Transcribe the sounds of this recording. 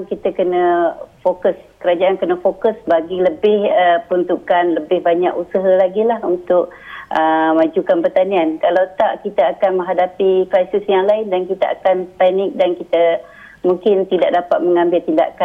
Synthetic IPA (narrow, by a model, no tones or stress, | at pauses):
kit̪əkənəfokəskəɾad͡ʒaʔankənəfokəsbaɡiləbɪhəpəunt̪ukanləbɪhbaɲakusəɦəlaɡilahunt̪ʊk̚ʔəmad͡ʒukanpərt̪aniankalawt̪aʔkit̪əakanmə̃ŋɦadapikɾajsɪsjaŋlaɪndankit̪əʔakanpɛnɪk̚dankit̪ə | muŋkɪnt̪idaʔ̚dapat̪̚məŋambɪlt̪inda̰ʔka